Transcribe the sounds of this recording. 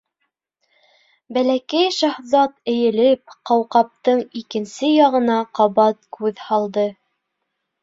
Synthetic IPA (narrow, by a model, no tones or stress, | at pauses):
bælækæjʃɑhðɑt̪ɘ̆jɘ̆lɘp̚qɑwqɑp̚t̪ɤɴikɘ̆nsɘjɑʁɤ̆nɑqɑβɑt̪̚kʉðhɑlˠd̪ɤ